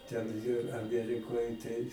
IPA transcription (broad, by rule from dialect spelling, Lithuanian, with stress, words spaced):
tʲɛn jiɛ ɐˈmʲiɛrʲɪkoːj tɐɪ